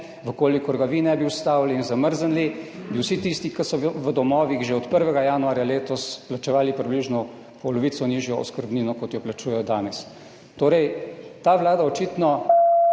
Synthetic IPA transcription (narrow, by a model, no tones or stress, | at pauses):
ʋəkoːlikɔɾɡaʋinɛbiwst̪aːwliːnzaməɾzənlibiwsit̪ist̪ikɐsɔʋəd̪ɔmɔːʋiɣʒeɔt̪pəɾʋɛɡajaːnuaːɾjaleːt̪ɔsplat͡ʃɛʋaːlipɾibliʒnɔ | pɔlɔʋiːt̪sɔniʒjɔɔ̰skəɾbniːnɔkɔt̪jɔplat͡ʃuːjɛjɔd̪aːnɛs | t̪oːɾɛjt̪aːʋlaːd̪aɔt͡ʃit̪nɔ